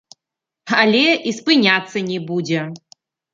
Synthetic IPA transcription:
alʲɛispɨnʲat̪sːɐnʲɛbud͡zʲɛ

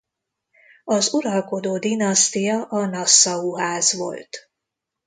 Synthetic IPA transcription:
ɒzuɾɒlko̞d̪oːd̪inɒst̪ijɒʔɒnɒsːɒuɦaːzʋo̞̰lt̪

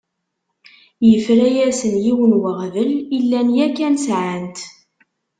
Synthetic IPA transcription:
jəfɾæjæsənjiwənwəʁðəlilːænjækːænsʕant̪

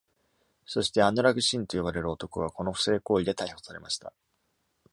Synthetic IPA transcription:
so̞ɕi̥t̪e̞anoɾaɡɯ̟ɕĩnt̪o̞joβaɾe̞ɾɯ̟ot̪o̞koβako̞no̞ɸɯ̟̥se̞ːko̞ːid̪e̞t̪aiho̞saɾe̞maɕi̥t̪a̰

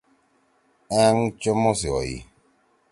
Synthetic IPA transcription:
aŋ̩t͡ʃɔmɔsiɔ̰jḭ

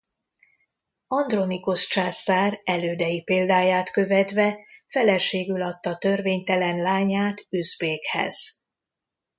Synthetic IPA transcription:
ɒnd̪ro̞nikust͡ʃaːsaːrɛløːd̪ɛjipeːld̪aːjaːt̪kø̞vɛt̪vɛfɛlɛʃeːɡylɒt̪ːɒt̪ø̞rveːɲt̪ɛlɛnlaːɲaːt̪yzbeːkhɛ̰z̥

